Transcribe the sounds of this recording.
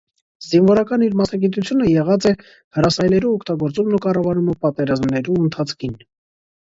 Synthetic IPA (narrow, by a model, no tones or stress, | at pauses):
zinvɔɾɑkɑniɾmɑsnɑɡit̪ut͡sʰjunəjɛʁɑt͡sɛ | həɾɑsɑjlɛɾuɔkʰt̪ɑɡɔɾt͡sumnukɑrɑvɑɾuməpɑt̪ɛɾɑzmnɛɾuənt̪ʰɑt͡sʰkʰin